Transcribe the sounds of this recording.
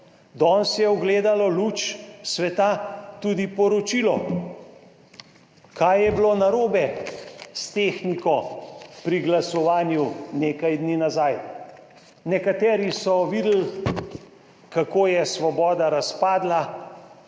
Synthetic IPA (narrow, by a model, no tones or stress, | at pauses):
d̪ɔːnsjɛɔɡleːd̪alɔluːt͡ʃsʋɛt̪at̪ud̪ipɔɾɔt͡ʃilɔ | kaːjɛbloːnaɾoːbɛst̪eːxnikɔpɾiɡlasɔʋaːnjuneːkajd̪niːnazaːj | nɛkat̪ɛːɾisɔʋid̪l | kakoːjɛsʋɔbɔːd̪aɾaspaːd̪la